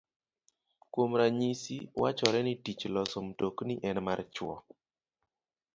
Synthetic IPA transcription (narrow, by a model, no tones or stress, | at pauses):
kwomɾaɲisiwa̰t͡ʃɔɾɛnɪtit͡ʃlɔsɔmtoknɪʔɛnmart͡ʃwɔ̰